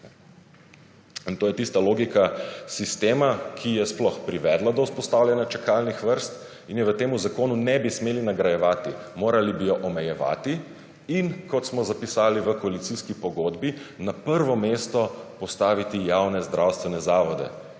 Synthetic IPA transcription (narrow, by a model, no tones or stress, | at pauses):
nt̪oːjɛt̪ist̪aloːɡikasist̪eːmakʰijɛsplɔxpɾiʋɛd̪lad̪ɔwspɔst̪aːwljɛnjat͡ʃɛkalnixʋəɾst̪ | injɛʋət̪eːmuzakoːnunɛbismeːlinaɡɾajɛʋaːt̪imoːɾalibijɔʔɔmɛjɛʋa̰ːt̪iː | nkɔt̪smɔzapisaːliʋəkɔalit̪siskipɔɡod̪binapəɾʋɔmeːst̪ɔpɔst̪aːʋit̪ijawnɛzd̪ɾʔawst̪ʋɛnɛzaːʋɔd̪ɛ̰